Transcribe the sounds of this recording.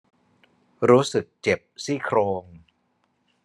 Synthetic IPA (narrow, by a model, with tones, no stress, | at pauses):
ɾuː˦˥sɯ˨˩k̚t͡ɕe˨˩p̚siː˥˩kʰɾoː˧ŋ